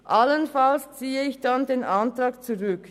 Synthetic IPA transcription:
ʔalənfalst͡siːəɪçd̥andeːnʔantʁaːkt͡suʁʏk

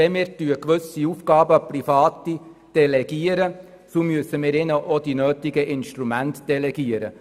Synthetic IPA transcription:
ɛmɪːɾtyəkʋɵsiuːfɡ̥ɑːbəprifɑːtid̥ɛlɛɡ̥iəɾə | somyəsəmɪːɾɪnəʔod̥inøːtɪɡəʔɪnʃtɾumæntd̥ɛlɛɡ̥iəɾə̰

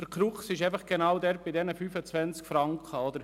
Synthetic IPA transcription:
əɾkɾuχsɪʃɛɪfɑχɡ̥enaʊdɛɾb̥ɪdɛnəfyːfət͡svɛnt͡skfɾɑŋkχəɔd̪əɾ

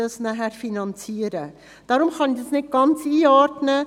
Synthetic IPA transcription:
ɑsnæɦæɾfinɑnt͡siːəɾə | d̥ɑɾʊmχɑnɪçd̥ɑsnɪt̚ɡ̥ɑnt͡siːɑːɾtnə

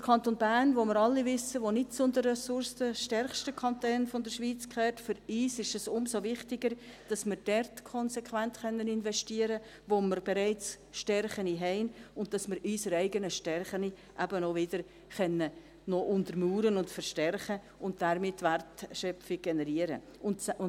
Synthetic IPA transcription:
d̥əɾkʰɑntonbæːnʋomɪɾɑlːivʏsəʋonɪt̚t͡sʊndərɛsʊɾsdəʃtɛrχʃtəkʰɑntøːnfɔndəɾʃvʋiːt͡skʰχɛːrtfʏɾyːsɪʃɛsʊmsoʋɪχtɪɡəɾd̥ɑsmɪɾd̥ɛrtkʰɔnsɛkʰʋæntχœnːənɪnvɛʃtiːəɾə | ʋoməɾbɛɾɛɪt͡s | ʃtɛrχəniɦɛɪnʊnt̚d̥ɑsmɪɾyːsəɾæɪɡənəʃtɛrχəni | ʔæbənɔʋɪd̥əɾ | χœnːə | nɔʔʊntəɾmuːɾənʊntfəɾʃtɛrχə | ʊnt̚d̥aɾmɪtːʋærtʃœpfɪɡ̚ɡ̥ɛnɛɾiəɾə̰ | ʊnʊ

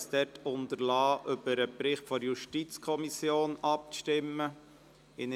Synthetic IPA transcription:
sd̥̪ɛtʰʊnt̪əɾlɑːʔʏbəɾəpɾɪχtfɔɾjuʃtit͡skʰɔmisjoːnɑp̚ʃtɪmːə | ɪn

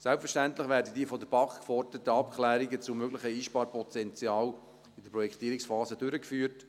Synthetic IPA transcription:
sɛlpfəʃtæntlɪχʋæːɾdədiːfɔd̪əb̥ɑkkfɔrd̥ətəɑpkʰlæːɾiɡət͡sumøɡlɪχəiːʃpɑːɾpɔtɛnt͡sjɑːl | id̥əpɾɔjɛkt̪iːɾɪksfɑːzədʏɾəkfyːəɾt

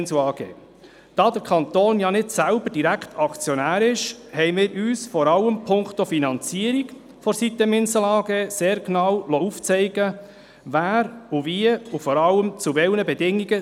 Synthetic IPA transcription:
nsɑːɡ̥ḛː | d̥ɑːd̪əɾkʰɑnt̪oːnjɑnɪdsælbəɾd̥iɾækʰtʰɑkt͡sjonæːɾɪʃhɛɪmɪːɾʔyːsfɔɾɑlːəmpʰʊŋktofinɑnt͡siəɾiɡ | fɔɾsit̪ːəmɪnsəlɑːɡ̥eːseːɾknɑwlouft͡sɛɪɡ̥ə | væːɾuviəufɔɾɑlːəmt͡suvɛlnəbɛdɪŋːiɡə

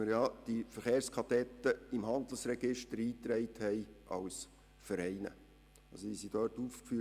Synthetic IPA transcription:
əɾjɑd̪̥ifəɾχeːrskʰɑtɛt̪ːəɪmhɑnd̪əl̩srɛɡ̥ɪʃtəɾiːt̪ɾɛɪthɛjʔɑ̰ws | fəɾɛɪnə̰ | ɑsoiːsid̥œːɾtuːfkfyː

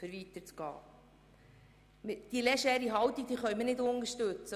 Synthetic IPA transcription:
fəɾʋit̪əɾt͡sɡ̥ɑ̰ː | mɪd̥ilɛʃɛːɾiɦɑwt̪iɡ̚d̪iːχœɥmənɪdonəɾʃtɵt͡sə

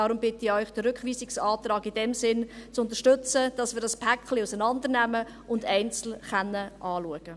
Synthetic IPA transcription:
ɑːɾʊmbɪtɪœʏχd̥əɾʏkχʋiːsɪksɑːt̪ɾɑːɡɪdɛmsɪnt͡sʊntəʃtʏt͡səd̥ɑsvɪːɾdɑspʰækχliusənɑndəɾnæmə | ʊndɛɪnt͡sl̩χɛnːəʔɑːluəɡ̥ə

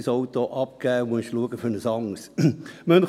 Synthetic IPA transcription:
sowt̪oʔɑp̚kæːʋonʃluəɡ̥əfønəsɑŋsmœn

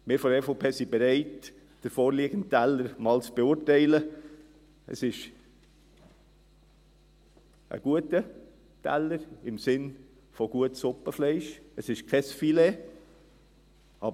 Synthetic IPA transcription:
mɪːɾfɔɾɛfopʰeːsibɛɾɛɪt | d̥əɾfoːɾliːɡ̥ən̩ttæləɾmɑːlt͡sb̥eʊːɾtæɪlə | ə̰sɪʃ | ʔə̰ɡ̥uətə | tæ̰ləɾɪmsɪn | fɔɡ̥uətsʊpːəflɛɪʃəsɪʃkʰɛsfile | ɑːb

